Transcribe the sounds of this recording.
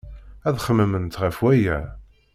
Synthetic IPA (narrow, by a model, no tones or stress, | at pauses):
æðχəmːəmənt̪ʁəfwæjæ